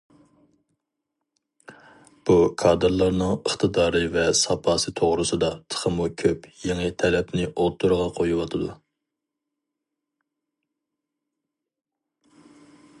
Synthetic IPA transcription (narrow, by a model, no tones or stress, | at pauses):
b̥ukʰɑːd̪ɨɾlˠɑɾnɨŋəχt̪ʰɨd̪ɑːɾɨvɛsɑpʰɑːsɨt̪ʰoʁɾɨsɨd̪ɑt̪ʰə̥χʰəmukʲʰøpjeŋɨt̪ʰɛlɛpnɪʔot̪ʰːuɾʁɑqʰojuwɑt̪ʰɨd̪u